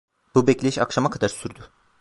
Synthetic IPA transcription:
b̥ubɛclʲeiʃakʃamakʰad̪aɾsyɾd̪y

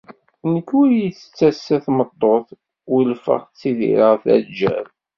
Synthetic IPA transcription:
nəkːuɾjiθə̥t͡sːæsːæθmət̪ˤːoθ | əlfə̰ʁt͡sːiðḭɾəʁθæ̰d͡ʒæ̰ɾ

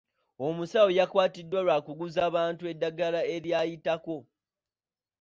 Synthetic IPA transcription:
o̞musawojakwaːtidːwalwaːkuɡuzaːβaːntue̞dːaɡalae̞ɾjajitako̞

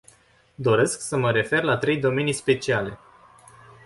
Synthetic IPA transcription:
d̪o̞ɾe̞sksəməɾe̞fe̞rlat̪ɾe̞jd̪o̞me̞nijspe̞t͡ʃiale̞̰

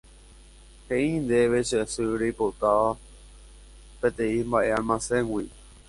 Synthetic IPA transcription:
hẽʔĩnd̪eʋeʃesɨɾejpot̪aʋa | pet̪ẽĩmbaʔe̞almãsẽŋwi

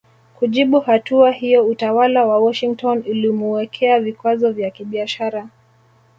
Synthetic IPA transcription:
kuʄiɓuhatuahijɔutawalawawɔʃiŋk̚tɔnulimuwɛkʰɛavikwazɔvjakiɓiaʃaɾa

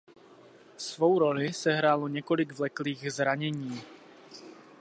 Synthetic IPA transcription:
svo̞wɾo̞lɪsɛɦɾaːloɲɛko̞lɪɡvlɛkliːɣzɾaɲɛɲiː

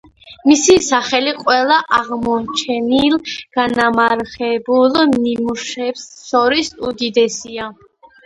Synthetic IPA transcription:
misisaχɛliqʼwɛlaʔaʁmɔt͡ʃʰɛnilɡ̥anamaɾχɛbulɔmnimuʃɛbsɔɾisud̪id̪ɛsia

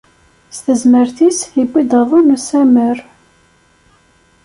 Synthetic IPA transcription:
st̪əzməɾθisibːid̪əðˤunusæməɾ

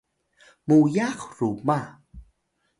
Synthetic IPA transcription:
mujaχɾuma

